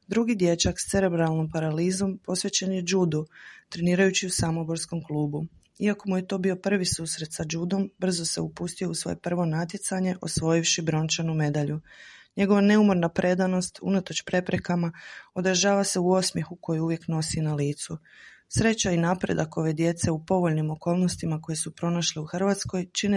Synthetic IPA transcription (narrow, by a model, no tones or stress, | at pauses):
d̪ɾuɡid̪je̞t͡ɕakst̪se̞ɾe̞bɾalˠno̞mpaɾaliːzo̞mpo̞sʋet͡ɕenje̞d͡ʒuːd̪ut̪ɾe̞niːɾajut͡ɕiusamo̞bo̞ɾsko̞mklˠuːbu | iako̞muje̞t̪o̞bio̞pr̩ʋisuːsɾe̞t̪sad͡ʒuːd̪o̞mbr̩zo̞se̞upust̪io̞usʋo̞̰jepr̩ʋo̞nat̪je̞t̪saɲe̞ʔo̞sʋo̞jiʋʃibɾo̞nt͡ʃanume̞d̪aʎuɲe̞ɡo̞ʋane̞umo̞ɾnapɾʔe̞d̪ano̞st̪ṵnat̪o̞t͡ɕpɾe̞pɾe̞kamao̞d̪ɾaʒaːʋase̞uo̞smje̞xuko̞juuʋje̞kno̞sinaliːt̪su | sɾe̞t͡ɕainapɾe̞̰d̪ako̞ʋe̞d̪je̞t̪se̞upo̞ʋo̞ʎnimo̞ko̞ːlˠno̞st̪imako̞je̞supɾo̞naʃliuxr̩ʋat̪sko̞jt͡ʃine